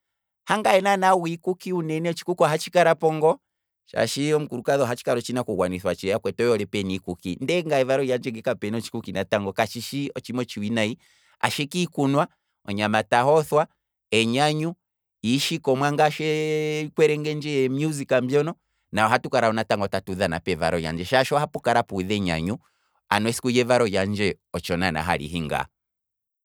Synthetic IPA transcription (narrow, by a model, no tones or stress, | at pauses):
haŋɡaɛnanawikukiunɛnɛɔt͡ʃi̥kukwaɦat͡ʃikaɾapɔŋɡɔ | ʃa̰ʃiɔm̩kuɾukaðɔɦat͡ʃi̥kaɾɔt͡ʃinakuɡwaniθwat͡ʃɛjakwɛtɔjɔlɛpɛnikukḭndɛŋɡaɛvaɾɔijand͡ʒɛŋɡɛkapɛnɔt͡ʃi̥kukinataŋɡɔkat͡ʃiʃiɔt͡ʃimɔt͡ʃiwinai | a̰ʃɛkiːkunwa | ɔ̰ɲamatahɔθwa | ɛɲaɲu | iʃikɔmwaŋɡaʃɛkwɛɾɛŋɡɛnd͡ʒɛjɛmjuzikam̩bjɔnɔ | naɔɦatukaɾaɔnataŋɡɔtatuðana̰pɛva̰ɾɔja̰nd͡ʒɛʃaʃɔhapukaɾapuðɛɲa̰ɲu | a̰nwɛsi̥kujɛvaɾɔjand͡ʒɛ | ɔt͡ʃɔnana̰ɦa̰lḭɦiŋɡa̰